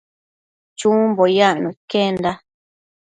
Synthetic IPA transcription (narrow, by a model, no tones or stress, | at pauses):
t͡ʃũmbojanũkend̪a